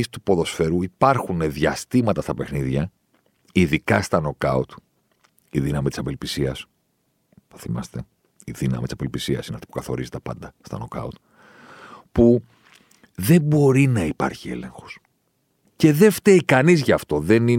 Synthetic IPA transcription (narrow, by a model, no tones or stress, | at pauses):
ist̪upo̞ðo̞sfe̞ɾuipɐɾxune̞ðʝɐst̪imɐt̪ɐst̪ɐpe̞xniðʝɐ | iðikɐst̪ɐno̞kɐut̪ | iðinɐmit̪isɐpelpisiɐs | ɐθimɐst̪e̞ | iðinɐ̰mit̪isɐpe̞lpisiɐsineft̪i̥pu̥kɐθo̞̰ɾizet̪epɐ̰nd̪ɐst̪ɐ̰no̞kɐ̰ut̪ | pu | ðe̞bo̞ɾinɐipɐ̰ɾçie̞̰le̞̰ŋxo̥s | ce̞ðe̞ft̪eikɐnizʝɐːft̪o̞ðe̞ni